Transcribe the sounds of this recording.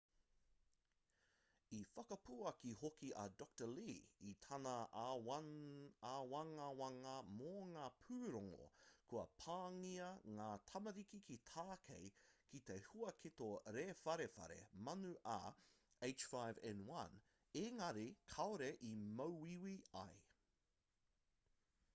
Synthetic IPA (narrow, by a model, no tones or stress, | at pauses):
ifɐkɐpuɐkihokiʔɐ̰dɔk̚təliːitʰɐnɐ | awɐŋɐwɐŋɐmoŋaːpʰʉːɾoŋo̰kʰuɐ̰pʰaːŋiɐŋaːtʰɐmɐɾikikʰitʰaːkʰḛjkit̪ehuɐkʰitoɾeːfɐɾefɐ̰ɾḛmɐnuʔɐ̰ | eɪt͡ʃfajvɛ̰nwɐn | eŋɐɾikʰɐoɾeʔimowwiwiɐ̰j